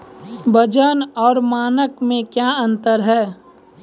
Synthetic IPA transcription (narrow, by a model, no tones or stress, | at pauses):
bʱəd͡ʒənɔːɾmaːnəkmẽkjaə̃nt̪əɾɦɛː